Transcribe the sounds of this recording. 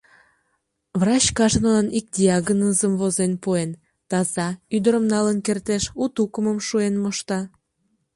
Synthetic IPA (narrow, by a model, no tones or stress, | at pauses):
vrɑt͡ɕkɑʒənonɑnik̚d̪ʲiɑɡənəzəmvozenpuen | t̪ɑzɑyd̪əɾəmnɑlənkert̪eʃut̪ukəməmʃuenmoʃt̪ɑ